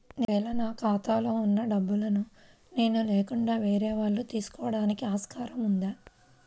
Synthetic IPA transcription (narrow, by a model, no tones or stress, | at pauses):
ʋɛːlɐnaːkaːt̪aːlo̞ːunːɐɖɐbːulɐnu | ne̞ːnuleːkuɳɖaːʋeːɾɛːʋaːɭːut̪iːsu̥kɔːɐɽaːnikiaːskaːɾɐmund̪a